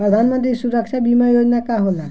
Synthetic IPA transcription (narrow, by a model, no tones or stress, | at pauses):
pɾəd̪ʱanmənt̪̬ɾisuɾəkt͡ʃʰabimajod͡ʒnakaɦola